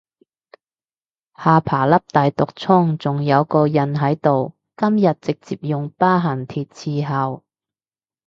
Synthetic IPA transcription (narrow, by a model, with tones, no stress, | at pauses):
haː˨˧pʰaː˨˩lɐ˥p̚t̪aː˨jt̪ʊ˨k̚t͡sʰʊ˥ŋt͡sʊ˨ŋjɐ˨˧wkɔː˧jɐ˨nɦɐ˨˥jt̪o˨w | kɐ˥mjɐ˨t̚t͡sɪ˨k̚t͡siː˨p̚jʊ˨ŋpaː˥ɦɐ˨˩nt̪ʰiː˨t̚t͡sʰiː˧ɦɐ˨˧w